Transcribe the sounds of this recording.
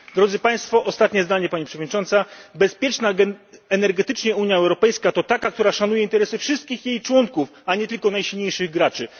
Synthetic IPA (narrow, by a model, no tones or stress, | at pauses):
d̪ɾɔd̪zɘpaj̃st̪fɔʔɔst̪at̪ɲɛzd̪aɲɛpaɲipʂɛvɔd̪ɲit͡ʂɔnt̪sabɛspʲjɛt͡ʂnaɡɛnɛɾɡɛt̪ɘt͡ʂɲɛuɲjaɛwɾɔpɛjskat̪ɔt̪akak̚t̪uɾaʂanujɛint̪ɛɾɛsɨfʂɨst̪̚kʲixjejt͡ʂwɔŋkufaɲɛt̪ɘlkɔnajɕilɲejʂɘɣɡɾat͡ʂɘ